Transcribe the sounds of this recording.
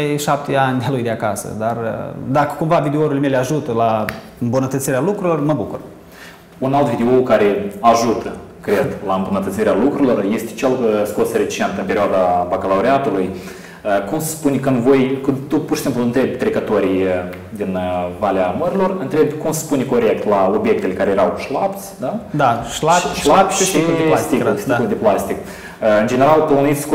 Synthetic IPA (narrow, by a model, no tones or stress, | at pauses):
ajʃap̚t̪eanʲd̪ʲalujd̪eakasə̰d̪ard̪akə̥kumvavid̪eoɾileme̞leaʒut̪əla | ɨmbunət̪ət̪siɾealukɾuilo̞rməbukur | unalt̪vʲid̪eokaɾeaʒut̪ʰə | kɾe̞d̪laɨmbunət̪ət̪siɾealukɾuilo̞rje̞st̪ʲet͡ʃelskosəɾet̪i̥t͡ʃent̪ɨmpe̞ɾʲioad̪abakalawɾeat̪uluj | əkumsspunʲkɨnd̪vo̞jkɨt̪upuɾrʃisimpluɨnt̪ɾe̞bʲt̪ɾe̞kət̪o̞ɾʲij | d̪inəvaleaməɾʲilo̞rɨnt̪ɾe̞bʲkumsspunʲko̞ɾe̞kt̪lao̞bjek̚t̪elekaɾejeɾawʃlapt̪sʲd̪ad̪aʃlaʃlapʲʃikast̪ikulst̪ikuld̪eplast̪ik | əɨnd͡ʒe̞ne̞ɾalt̪ounit̪sʲk